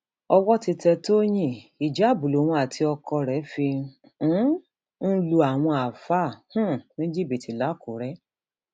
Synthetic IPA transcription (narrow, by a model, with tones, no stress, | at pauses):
ɔ˧wɔ˦ti˧tɛ˧to˦j̃ĩ˦˨i˨d͡ʒa˨˦˨bu˨lo˨w̃ũ˧a˨tʰi˧ɔ˧kɔ˧ɾɛ˨˦fĩ˧˨˦ | n̩˦lu˧a˨w̃ɔ̃˧a˨fa˦˨h̩˦˨nĩ˦d͡ʒi˦˨bi˨ti˨˦la˨˦˨ko˨ɾɛ˨˦